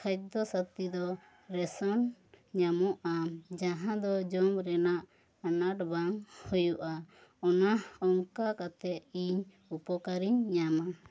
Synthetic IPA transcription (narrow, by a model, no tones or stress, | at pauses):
kʰajt̪̚d̪ɔsat̪id̪ɔ | ɾɛsɔnɲamɔʔʔamd͡ʒaɦãd̪ɔd͡ʒɔmɾɛnaʔ | anaʈbaŋhujuʔaɔnaɔŋkakat̪ɛiɲ | upɔkaɾiɲɲama